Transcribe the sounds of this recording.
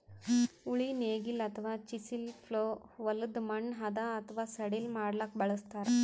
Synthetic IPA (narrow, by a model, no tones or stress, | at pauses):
uɭineːɡilɐt̪ʰʋaːt͡ʃisilpʰloːʋɐlud̪mɐɳːɦɐd̪aɐt̪ʰʋaːsɐɽilmaːɽlak̚bɐɭɐst̪aːɾe